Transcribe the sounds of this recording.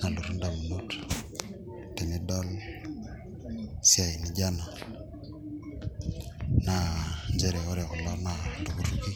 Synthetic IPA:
na˨lu˨ɾu˦nda˨mu˨mu˦tʰu̥˨ | tɛ˨mi˦dɔ˦l | si˦a˨i˨ni˦ɟa˦na˨ | na˨ɲd͡ʒɛ˦ɾɛ˨ɔ˦ɾɛ˨ɣɔ˨lɔ˦na˨ndu˨ku˦ɾu˦ki˦

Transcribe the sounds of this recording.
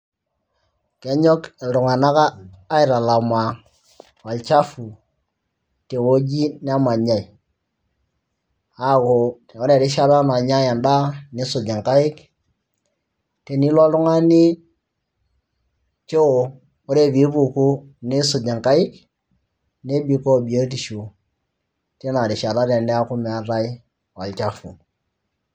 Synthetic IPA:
kɛ˦ɲɔ˦ke˨ldʊ˨ŋa˨na˦kaː˦ɪ˨ɾa˨la˨ma˨ | wa˨lt͡ʃa˦fu˨ | te˨wo˦d͡ʒi˦n˦a˦ma˨ɲa˨i˨ | a˨˦˨ko˨ | o˦ɾe˨ɾɪ˦ʃa˦βa˦ma˨ɲa˦ja˨nda˦ne˨˦sʊ˨d͡ʒa˨ŋka˦ɪ˦k | te˨ni˦lɔ˦lʊ˦ŋa˦ni˦ | t͡ʃe˦o˨ | o˦ɾe˦˨bi˨˦bu˨ku˦ | ne˦sʊ˨d͡ʒa˨ŋka˦ɪ˦k | ne˦bi˨˦ko˦˨bi˨o˦ti˨ʃu˨ | te˦na˨ɾɪ˨ʃa˨ɾa˦ɾe˨nɛ˦a˦kʊ˦me˨a˦ɾa˦i˦ | wa˨lt͡ʃa˦fṵ˨

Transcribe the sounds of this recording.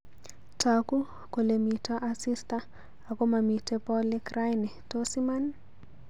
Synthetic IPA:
tʰaku˦ | ko˨le˨mi˨ta˦ʔa˦si˦sta˦ | a˨ko˦ma˨mi˨te˦pɔ˦lɪ˦kra˦jnɛ˨tosi˦ma˦n

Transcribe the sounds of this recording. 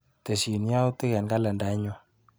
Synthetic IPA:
tɛ˨ʃi˨nja˦wtɪ˦kɛ˨nka˦lɛ˨nda˨˦ɲɔ˦

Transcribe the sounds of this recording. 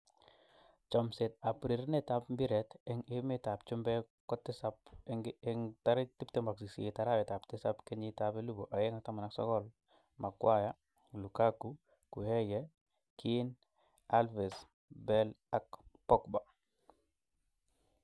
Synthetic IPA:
t͡ʃɔ˨mse˨t̚a˨pɾi˨ɾne˦ta˦pmbi˦ɾɛtɛŋɪ˦mɪ˦ta˨pt͡ʃu˦mbɛ˦ | kɔ˦tɪ˦sap | ŋta˦ɾi˦ti˦pte˦mba˨ksi˨si˨e˨taɾa˦bɛ˨ta˨ptɪ˦sapke˦ɲitabe˦lu˦bo˨ʔa˨jeŋa˨ta˦ma˨naksɔ̰˦kɔ˦l | ma˨kwa˦ja | lu˨kaku | ku˨hɛ˦jɛ | kʰin | alvɛ˨s | bɛl | a˨kpɔ˦kba˨

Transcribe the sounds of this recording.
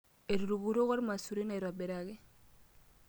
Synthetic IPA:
e˨ɾu˨ɾu˨ɡu˨ɾo˦ɣo˦ɾma˨su˨ɾi˦na˨i˨ɾa˨be˨ɾa˨ɡe˦

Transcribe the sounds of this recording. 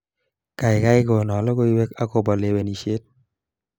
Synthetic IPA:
ka˨ɪ˨ka˦ɪ˦ko˨nɔ˨lɔ˦ko˦i˦we˦ka˦ko˦bɔ˨le˦we˨ni˨ʃe˦t̚

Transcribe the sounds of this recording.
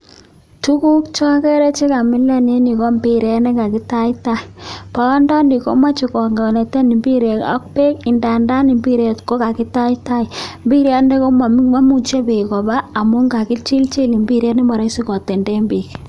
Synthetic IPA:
tu˦ku˦k̚t͡ʃɔ˦kɛ˦ɾɛ˦t͡ʃe˦ka˨mɪ˦lɛ˦ne˦ni˨kɔ˦mbi˦ɾe˨˦nɛ˦ka˨ki˦ta˦i˦ta˦˨pa˨˦ndɔ˦ni˨ko̰˦ma˦t͡ʃi˨kɔ˨ŋɡa˨ne˨tɛ˦ni˨mbi˦ɾe˨ka̰˦k̚pe˦ki˨nda˨nda˦ni˨mbi˦ɾe˨tko˦ka˨ki˦ta˦jta˦i˨mbi˦ɾja˦nde˦ko˦ma˨m˦ma˦mu˦t͡ʃe˦bi˨kɔ˨baː˦˨mu˦ŋɡa˨ki˦t͡ʃi˦lt͡ʃi˦li˨mbi˦ɾe˦ni˦ma˨ɾa˦si˦kɔ˨tɛ˨nde˦mbi˨k

